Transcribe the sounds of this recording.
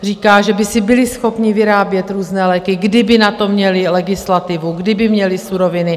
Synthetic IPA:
r̝iːkaːʒɛbɪsɪbɪlɪsxo̞pɲɪvɪɾaːbjɛt̪ɾuːznɛːlɛːkɪɡdɪbɪnat̪o̞mɲɛlɪlɛɡɪslat̪ɪvuɡdɪbɪmɲɛlɪsuɾo̞vɪnɪ

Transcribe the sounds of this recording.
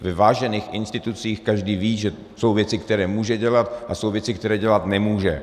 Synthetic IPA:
vɛvaːʒɛniːxʔɪnst̪ɪt̪ut͡siːxkaʒdiːviːʒɛ | so̞wvjɛt͡sɪkt̪ɛɾɛːmuːʒɛɟɛlat̪ʔasowvjɛt͡sɪk̚t̪ɛɾɛːɟɛlat̪nɛmuːʒɛ̰

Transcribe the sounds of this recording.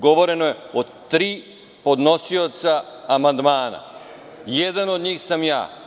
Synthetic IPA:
ɡo̞ʋo̞ɾe̞nojeo | t̪ɾiː | po̞d̪no̞sio̞t̪saːmand̪maːna̰ | jed̪ano̞d̪ɲiːxsamja̰ː

